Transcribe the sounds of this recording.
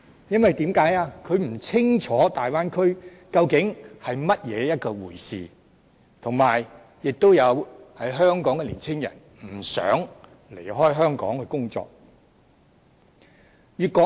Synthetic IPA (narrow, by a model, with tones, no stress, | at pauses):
jɐ˥nwɐ˨jt̪iː˨˥mkaː˨˥jaː˧kʰɵ˨˧ɥm̩˨˩t͡sʰɪ˥ŋt͡ʃʰɔː˨˥t̪aː˨jwaː˥nkʰɵ˥ɥ | kɐ˧wkɪ˨˥ŋhɐ˨jmɐ˥t̚jɛː˨˧jɐ˥t̚kɔː˧wuː˨˩jsḭː˨ | t̪ʰʊ˨˩ŋmaː˨˩j | jɪ˨k̚t̪o˥wjɐ˨˧whɐ˨˥jɦœː˥ŋkɔː˨˥ŋɛ˧liː˨˩nt͡sʰɪ˥ŋjɐ̰˨˩n | m̩˨˩sœ̰ː˨˥ŋ | lḛ˨˩jɦɔː˥jɦœː˥ŋkɔ̰ː˨˥ŋhɵ˨˧ɥkʊ˥ŋt͡sɔ̰ː˧k̚ | ɥyː˨t̚kɔː˨˥